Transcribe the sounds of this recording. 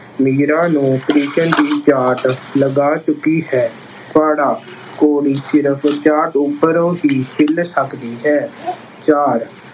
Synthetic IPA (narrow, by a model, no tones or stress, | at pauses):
miːɾãːnũːt̪ɾiːkənd̪iːt͡ʃaːʈləɡaːt͡ʃʊkːiːɦɛː | t̪ʊaːɽaː | koːɽiːsɪɾəpʰt͡ʃaːʈʊpːəɾõːɦiːsʰɪlsəkd̪iːɦɛː | t͡ʃaːɾ